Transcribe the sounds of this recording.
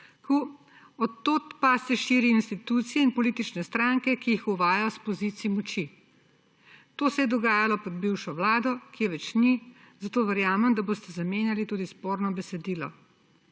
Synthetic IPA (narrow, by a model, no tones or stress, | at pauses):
ku | ɔt̪ːoːt̪pasɛʃiːɾiinst̪it̪uːt̪sijɛinpɔliːt̪it͡ʃnɛst̪ɾaŋkɛkijixuʋaːjajɔspɔzit̪siimɔt͡ʃi | t̪oːsɛjɛd̪ɔɡaːjalɔpɔd̪̚biwʃɔʋlaːd̪ɔkeʋɛt͡ʃni | zat̪oːʋɛɾjaːmɛmd̪aboːst̪ɛzameːnjalit̪ud̪ispoːɾnɔbɛsɛd̪iːlɔ̰